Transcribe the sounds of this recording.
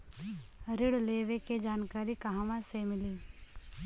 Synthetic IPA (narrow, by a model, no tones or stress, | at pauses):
ɾɪɽleːʋeked͡ʒaːnkaːɾikɐɦãʋãsemɪliː